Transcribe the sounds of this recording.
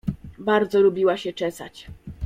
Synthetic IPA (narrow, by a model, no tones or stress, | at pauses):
baɾd̪zɔlubʲiwaɕɛt͡ʂɛsa̰t͡ɕ